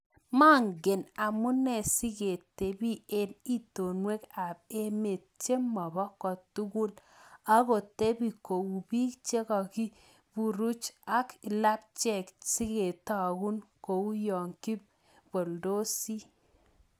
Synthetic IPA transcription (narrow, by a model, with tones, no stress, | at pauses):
ma˦ŋɡe˨na˨mu˦nɛ˦˨si˦ɡe˨te˨bi˦e˦ni˦to˨nwe˦ka˨b̚e˦me˨t̚t͡ʃe˦mɔ˨bɔ˦kɔ˨tu˦ɡu˦la˦ko˨te˦bi˨ko˨u˨bi˦kt͡ʃe˦kɔ˨ki˦ | b̥u˨ɾu˦t͡ʃa˦kla˦p̚t͡ʃɛ˨ksi˦ke˨ta˨ɡu˦nko˨u˦jɔ˨ŋki˦p | b̥o˨ldo˦si˦